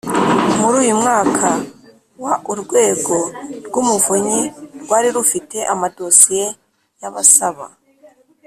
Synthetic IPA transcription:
muɾuːjumŋaːkʰa | waʔuɾɡwe̞ːɡo̞ɾɡumuvuɲiɾɡwaːɾiɾufite̞ʔamado̞sije̞ | jaβasaβa̰

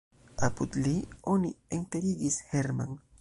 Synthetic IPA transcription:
aput̪lionieŋt̪eɾiɡisheɾma̰ŋ

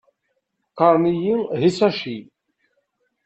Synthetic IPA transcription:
qɑɾˤnijiɦisæʃi

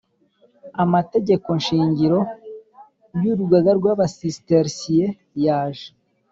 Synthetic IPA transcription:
amate̞ɟe̞ko̞nʃiːɲɟiɾo̞ | juːɾuɡaɡaɾɡwaːβasisteɾsije | jaːʒe

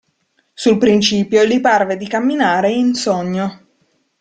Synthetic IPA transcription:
sulpɾint͡ʃiːpjoliparved̪ikamːinaːɾeinsoɲːo

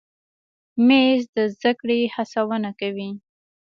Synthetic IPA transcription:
mezd̪əzd̪akɽehasawənakawi

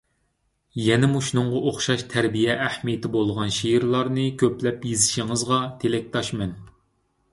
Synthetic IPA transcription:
jɛnɛmuʃnɨŋʁɑʔoχʃɑʃt̪ʰæɾbijɛʔæhmijt̪ʰɪbolˠʁɑnʃijɾlˠɑɾnɨkʲʰøplɛpjezɪʃiŋɨzʁɑt̪ʰelɛk̚ʲt̪ʰɑʃmɛn

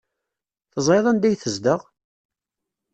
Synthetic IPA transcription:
θəzˤeðˤænd̪æjθəzd̪əʁ

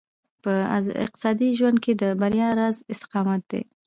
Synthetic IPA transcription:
pəa̰ɪ̰q̚t̪ɪ̥sɑd̪iʒwand̪̚kʰed̪əbaɾjɑɾɑzɪst̪ɪ̥qɑmat̪̚d̪ḛ

